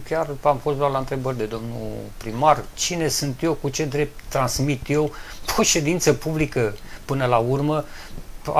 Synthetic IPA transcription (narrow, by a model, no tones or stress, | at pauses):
kʲaramfo̞std̪arlaɨnt̪ɾe̞bərʲd̪e̞d̪o̞mnṵpɾimart͡ʃine̞sunt̪je̞wkut͡ʃe̞d̪ɾe̞p̚t̪ːɾansmit̪je̞woʃe̞d̪int̪səpublikəpɨnəlaurmə | a̰